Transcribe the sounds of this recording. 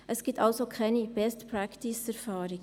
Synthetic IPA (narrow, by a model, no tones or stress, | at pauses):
ʔəsɡ̥iːtɑlsokʰɛɪnib̥ɛstpɾæktisæɾfaːɾɪɡ